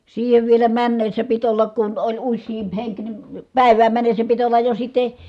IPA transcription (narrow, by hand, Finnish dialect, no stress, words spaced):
siːheʋ ʋielæ mænːesːæ pit olːɑk kun olʲ usːiːmp heŋk ni pæˑi̯ʋæːm mænːesːæ pit olːɑj jo sitˑe